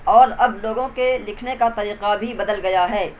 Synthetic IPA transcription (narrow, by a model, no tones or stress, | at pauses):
ɔːɾɐbloːɡõkelɪkʰnekat̪ɐɾiːqabʱibɐd̪əlɡɐjaɦɛː